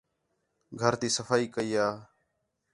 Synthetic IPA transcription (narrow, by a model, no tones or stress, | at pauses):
ɡʱəɾt̪iːsəfaːiːkəiːaː